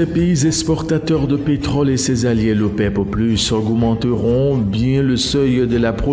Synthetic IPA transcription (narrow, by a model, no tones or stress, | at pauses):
epeizɛkspɔʁt̪at̪œʁd̪əpet̪χɔlesɛzaljelopɛpplysɔɡmɑ̃t̪əʁɔ̃bjɛ̃ləsœjd̪əlapχɔ